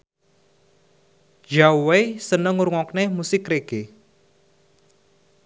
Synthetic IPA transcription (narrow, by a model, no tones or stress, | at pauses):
d͡ʒawesənəŋuɾuŋɔknemusɪkreɡ̥e